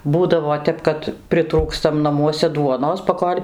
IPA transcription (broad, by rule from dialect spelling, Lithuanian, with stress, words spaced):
ˈbuːdɐʋoː ˈtʲɛp kɐt pʲrʲɪˈtruːkstɐm nɐˈmuɔsʲɛ ˈduɔnoːs pɐˈkoːlʲ